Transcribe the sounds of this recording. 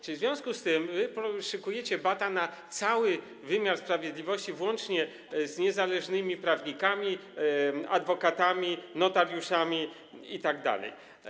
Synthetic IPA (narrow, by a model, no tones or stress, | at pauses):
zvʲjɔ̃w̃skust̪ɘmvɘpɔʂɛkujɛt͡ɕɛbat̪anat̪sawɘ | vɘmʲjaɾspɾavʲjed̪lʲivɔɕt͡ɕivwɔnt͡ʂɲɛ | zɲɛzalɛʐnɘmʲipɾavɲikamʲi | a̰d̪vɔkat̪amʲinɔt̪aɾjuʂamʲi | it̪aɡ̚d̪a̰lɛ̰j